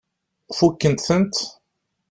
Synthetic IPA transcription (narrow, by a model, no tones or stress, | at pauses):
fukːənt̪θənt̪